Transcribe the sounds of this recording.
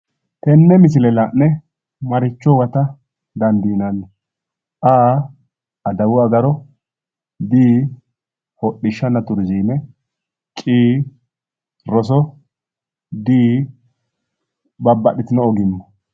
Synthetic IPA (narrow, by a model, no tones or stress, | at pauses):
t̪ɛnːɛmɪs̬ɪlɛlanːɛ | mɐɾɪt͡ʃːɔwɐt̪ɐ | d̪ɐnd̪iːnanːɛ | ʔaː | ɐd̪ɐwʊɐɡɐɾɔ | d̪iː | hɔɗːɪʃːɐnːɐt̪ʊɾziːnɛ | t͡ʃʼiː | ɾɔs̬ɔ | d̪iː | bɐbːɐɗɪt̪ɪnɔɔɡɪmːɐ